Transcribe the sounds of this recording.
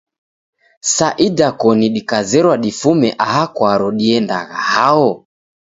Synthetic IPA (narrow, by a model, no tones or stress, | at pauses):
saʔidakɔniɗikazɛɾwaɗifumɛʔaɦakwaɾɔɗiɛndaɣahaɔ